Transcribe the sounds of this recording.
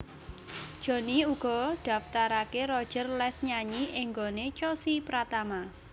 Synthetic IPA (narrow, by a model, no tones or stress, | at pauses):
d̥ʒ̥o̤niuɡ̥ɔ̤ɖ̪̥a̤ft̪aɾakerɔ̥ʒ̥ə̤rlɛsɲaɲiʔɪŋɡonet͡ʃosipɾat̪ama